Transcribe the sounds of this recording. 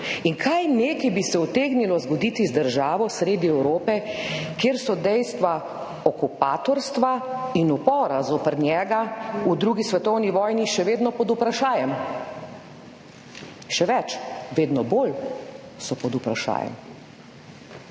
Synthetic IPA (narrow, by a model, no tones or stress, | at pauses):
iŋkʰajneːkibisɛɔt̪eːɡnilɔzɡɔd̪iːt̪izd̪əɾʒaːʋɔsɾeːd̪iɛwɾoːpɛkeːɾsɔd̪ɛjst̪ʋa | ɔkupaːt̪ɔɾst̪ʋainupɔːɾazoːpəɾnʲjɛːɡaud̪ɾuːɡisʋɛt̪ɔwniʋɔːjniʃɛʋeːd̪nɔpɔd̪upɾaʃaːjɛm | ʃɛʋɛt͡ʃʋeːd̪nɔbol | sɔpɔd̪upɾaʃa̰ːjɛ̰m